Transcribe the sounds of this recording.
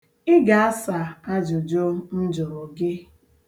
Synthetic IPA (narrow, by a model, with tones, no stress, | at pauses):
ɪ˦ɡa˨a˦sa˨a˦d͡ʒʊ˨d͡ʒʊ˦n̩˦d͡ʒʊ˨ɾʊ˨ɡɪ˦